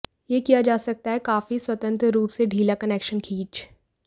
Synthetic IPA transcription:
jekijad͡ʒaːsɐk̚t̪aɦɛkaːfiswɐt̪ə̃nt̪ɾɾuːpseɖʱiːlakɐneːkʃənkʰiːt͡ʃ

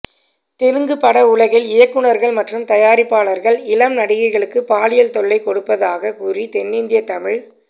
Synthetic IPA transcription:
t̪ɛlɯŋɡɯpːɐɽɐʊɭɐɣɪlɪjɐkːɯɳɐɾɣɐɭmɐʈrɯmt̪ɐjaːɾɪpːaːɭɐɾɣɐɭɪlɐmnɐɽɪɣɐɪɣɐɭɯkːɯpaːlɪjɐlt̪ɔɭːɐɪkɔɽɯpːɐðaːɣɐkuːrit̪ɛnːɪnd̪ɪjɐt̪ːɐmɪɻ

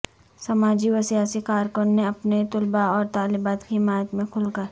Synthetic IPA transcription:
sɐmaːd͡ʒiwəsijaːsikaːɾkonːeɐpnet̪ʊlbaɔːɾt̪aːlɪbaːt̪kiiɪmaːjət̪mẽkʰʊlkəɾ

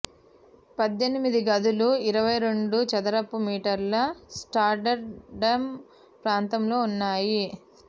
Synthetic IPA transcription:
pɐd̪jenimid̪iɡɐd̪uluiɾɐʋɐjɾe̞ɳɖut͡ʃɐd̪ɐɾɐpːumiːʈɐɾlɐsʈaːɾɖɐɾɖɐm | pɾaːnt̪ɐmlo̞ːunːaːji

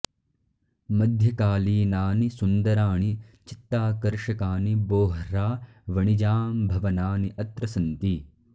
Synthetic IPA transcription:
mɐd̪ʱjɐkaːliːnaːnisund̪ɐɾaːɳit͡ʃit̪ːaːkɐɾʃɐkaːniboːɦɾaː | ʋɐɳid͡ʒaːmbʱɐʋɐnaːniʔɐt̪ɾɐsɐnt̪i

